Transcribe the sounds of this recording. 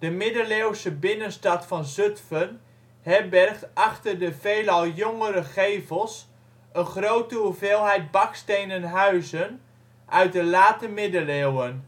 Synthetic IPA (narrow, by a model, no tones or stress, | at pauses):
d̥əmɪdəlewsəbɪnənstɑtfɑnzøtfən | hɛbɛrχtɑχtərdəvejlɑlˠjoŋəɾəχejvəlˠs | ənχrowtəuveːlˠɦɛjt̚bɑkstejnənɦœɥzən | ʔœɥt̚dəlaːtəmɪdəlewən